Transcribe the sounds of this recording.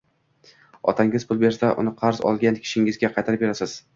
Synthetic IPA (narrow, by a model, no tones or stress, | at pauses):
ɒ̰t̪ʰaŋɪzpʰʊlˠbe̞ɾsaʔʊ̰nɪqʰɑɾzɒ̰lˠɡʲankʲʰɪ̥ʃɪŋɪzɡʲaqʰɑjt̪ʰaɾɪp̚be̞ɾasɪz̥